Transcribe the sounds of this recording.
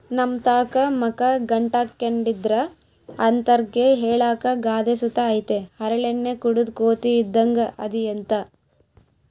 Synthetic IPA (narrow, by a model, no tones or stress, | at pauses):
nɐmt̪aːkɐmɐkɐɡɐɳʈakːeɳɖid̪ɾɐ | ɐnt̪ɐɾɡeɦeːɭaːkɐɡaːd̪esut̪ɐːjt̪ehɐɾɐɭenːekuɽud̪koːt̪iːd̪ːɐŋɡɐʔɐ̰d̪iɐnt̪ɐ